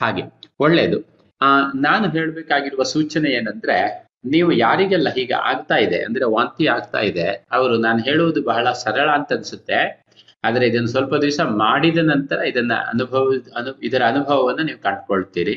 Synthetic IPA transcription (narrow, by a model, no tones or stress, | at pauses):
haːɡe̞oɭːe̞̰ːd̪u | naːnuɦe̞ːɭbeːkaːɡiɾuʋɐsuːt͡ʃɐneeːnɐnd̪ɐɾe̞ | niːʋujaːɾiɡɛlːɐɦiːɡ̰a̰ːɡt̪aːjid̪e̞̰ʔɐ̰nd̪ɐɾeʋaːnt̪iaːɡ̚t̪a̰ːjid̪e̞ɐʋɐɾunaːnuɦe̞ːɭuʋud̪ubɐɦɐɭɐsɐɾɐɭɐːnt̪ɐɐnisut̪ːe̞ | aːd̪ɐɾe̞id̪ɐnːusʋɐlpɐd̪ʋisɐmaːɽid̪ɐnɐnt̪ɐɾɐid̪ɐnːɐ̰ɐ̰nubʱɐʋɐnuid̪ɐɾɐːnubʱɐʋɐʋɐnːɐniːʋukɐɳɖkoɭt̪iːɾi